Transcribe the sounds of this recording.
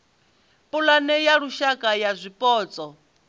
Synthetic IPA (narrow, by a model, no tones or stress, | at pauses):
pʼulanɛjaɺuʃakʼajazʷipʼɔːt͡sʼɔ